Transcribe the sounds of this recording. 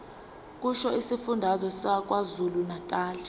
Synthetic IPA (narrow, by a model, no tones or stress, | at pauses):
k̬ʼuʃɔisifundʱazɔsak̬ʼwazulunatʼaːlɛ